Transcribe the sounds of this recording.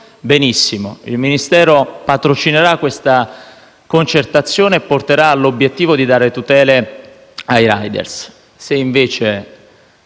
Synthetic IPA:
benisːimo̰ḭlminist̪ɛːɾopat̪ɾot͡ʃineɾakːwest̪a | kont͡ʃert̪at̪sːjoːneːpːort̪eɾaːlːobjet̪ːiːvod̪id̪aːɾet̪ut̪ɛːle | ajɾajd̪ḛrsː | eiɱveːt͡ʃe

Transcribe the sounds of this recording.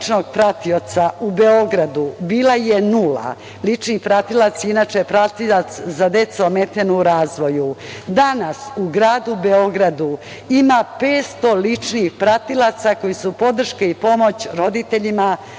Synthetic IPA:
t͡ʃno̞ɡpɾat̪io̞t̪saube̞o̞ɡɾad̪ubiːlajenula̰ | lit͡ʂnipɾat̪ilat̪sinaːt͡ʃepɾat̪ilat̪szad̪e̞t̪soome̞t̪enoɾaːzʋo̞jud̪anasuɡɾaːd̪ubeo̞ɡɾad̪u | imapeːt̪st̪o̞lit͡ʂnixpɾat̪ilˠat̪sako̞jisupo̞d̪r̩ʃkeipo̞mo̞t͡ɕɾo̞d̪it̪e̞ʎima

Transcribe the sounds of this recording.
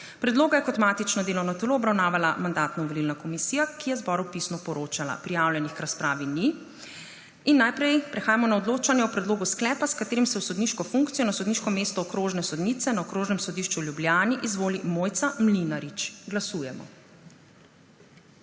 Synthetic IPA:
pɾɛd̪loːɡajɛkɔt̪maːt̪it͡ʃnɔd̪eːlɔwnɔt̪ɛloːbɾawnaːʋalamand̪aːt̪nɔʋɔlilnakɔmisiːjakijɛzbɔɾupisnɔpɔɾoːt͡ʃala̰pɾijawlʲjɛnixkɾaspɾaːʋini | inːajpɾɛjpɾɛxaːjamɔnaɔd̪loːt͡ʃanjɛwpɾɛd̪loːɡusklɛːpaskat̪eːɾimsɛusɔd̪niʃkɔfuŋkt̪sijɔnasɔd̪niːʃkɔmeːst̪ɔːkɾoːʒnɛsɔd̪niːt̪sɛnaɔkɾoːʒnɛmsɔd̪iʃt͡ʃuwljubljaːniʔizʋoːlimoːjt̪samlinaɾit͡ʃɡlasuːjɛmɔ̰

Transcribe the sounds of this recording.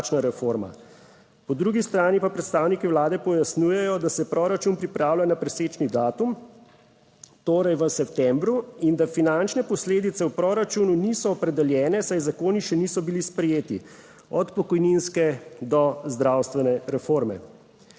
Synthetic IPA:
t͡ʃnaɾɛfoɾma̰ | pɔd̪ɾuɡist̪ɾaːnipapɾɛt̪st̪aːwnikiwlaːd̪ɛpɔjasnuːjɛjɔd̪asɛpɾoːɾat͡ʃunpɾipɾaːwlʲjanapɾɛseːt͡ʃnid̪aːt̪um | t̪oːɾɐjʋəsɛpt̪ɛmbɾuind̪afinant͡ʃnɛpɔsleːd̪it̪sɛwpɾoːɾat͡ʃununisɔːpɾɛd̪ɛljɛːnɛsajzakoːniʃɛniːsɔbilispɾɛjeːt̪i | ɔt̪pɔkɔjninskɛd̪ɔzd̪ɾawst̪ʋɛnɛɾɛfoːɾmɛ̰

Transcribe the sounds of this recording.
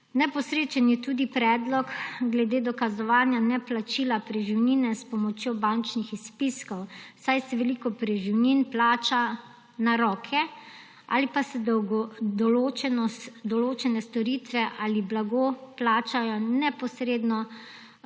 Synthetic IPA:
nɛpɔsɾeːt͡ʃɛnjɛt̪uːd̪ipɾɛːd̪lɔkɡlɛd̪eːd̪ɔkazɔʋaːnjanɛplat͡ʃilapɾɛʒiwninɛspɔmɔt͡ʃjobant͡ʃnixispiskɔwsajsɛʋɛlikɔpɾɛʒiwninplaːt͡ʃa | naɾɔːkʰɛ | a̰ːlipasɛ | d̪ɔlot͡ʃɛnɔd̪ɔloːt͡ʃɛnɛst̪ɔɾit̪ʋɛʔaːliblaɡoplaːt͡ʃajɔnɛpɔsɾeːd̪nɔ

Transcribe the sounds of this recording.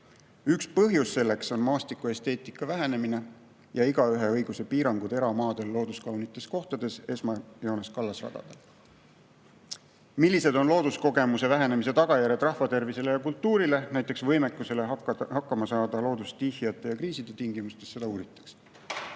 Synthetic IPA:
ykspɤɦjusːe̞lːe̞kso̞nmɑːst̪ikue̞st̪e̞ːt̪ˑikːˑɑvæɦe̞ne̞mine̞ | jɑiɡ̥ɑyɦe̞ɤ̞jɡ̥use̞piːɾɑŋɡ̥ud̪e̞ɾɑmɑːd̪e̞lːo̞ːd̪uskɑwnit̪ːˑe̞sko̞ht̪ɑd̪̥e̞se̞smɑjoːneskɑlːɑsrɑ̰d̪̥ɑ̰d̪̥el | milːise̞d̪o̞nlo̞ːd̪̥usko̞ɡe̞muse̞væɦe̞ne̞mis̬e̞t̪ɑɡ̥ɑjæɾe̞d̪rɑhvɑt̪e̞rvise̞le̞jɑkult̪ːˑuːɾile̞næjt̪ːˑeksvɤjme̞kːˑuse̞le̞hɑkːɑmɑsɑːd̪̥ɑlo̞ːd̪ust̪ihijɑt̪ːˑe̞jɑkɾiːsid̪̥e̞t̪iŋɡimust̪e̞sːe̞d̪ɑuːɾit̪ːˑɑ̥ks

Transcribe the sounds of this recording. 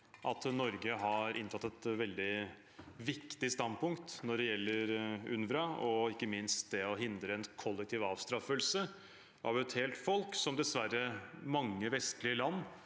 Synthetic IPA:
ʔɑt̪nɔɾɡəɦɑɾʔɪ̰nt̪ʰɑt̪ːɛt̪ʋɛld̪ɪ | ʋɪkt̪ɪst̪ɑnpʊŋkt̪nɔɖɛjɛlːəɾʉ̰nʋɾɑʔɔɪkːəmɪnst̪̚d̪ɛɔɦɪnd̪ɾəɛnkʰɔlːɛk̚t̪ʰiːʋɑːʋst̪ɾɑfəlsə | ʔɑ̰ʋɛt̪hɛːlt̪fɔlksɔmd̪ɛsʋæɾəmɑŋːəʋɛskəlɪəlɑnː

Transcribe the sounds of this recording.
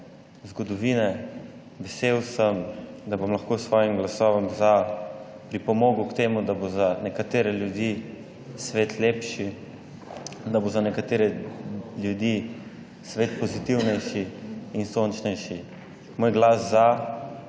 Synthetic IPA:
zɡɔd̪ɔʋiːnɛ | ʋɛseːwsəmd̪abomlɐxkoːsʋɔːjimɡlasɔːʋɔmza | pɾipɔmoːɡukt̪eːmud̪abozanɛkat̪eːɾɛljud̪ji | sʋeːt̪leːpʃi | d̪abozanɛkat̪eːɾɛljud̪i | sʋeːt̪pɔzit̪iwnɛjʃiinsont͡ʃnɛjʃi | moːjɡlasza

